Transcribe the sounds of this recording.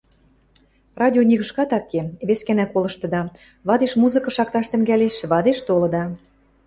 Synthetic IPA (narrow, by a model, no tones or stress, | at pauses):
rɑd̪ʲionʲiɣə̆ʃkɑt̪ɑkːeβeskænækolɤ̆ʃt̪ɤ̆d̪ɑ | βɑd̪eʃmuzɤ̆kɤ̆ʃɑk̚t̪ɑʃt̪ə̆ŋɡæleʃβɑd̪eʃt̪olɤ̆d̪ɑ